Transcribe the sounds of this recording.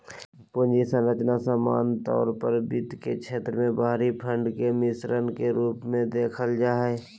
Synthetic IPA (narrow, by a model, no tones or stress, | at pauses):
pʊnd͡ʒisə̃ɾət͡ʃnasaːma̰ːnt̪ɔ̰ːɾpəɾbɪt̪ket͡ʃʰeːt̪ɾəmẽbaːɾipʰə̃ɳɖkemɪsɾənkeɾuːpmẽd̪eːkʰəld͡ʒaːɦɛ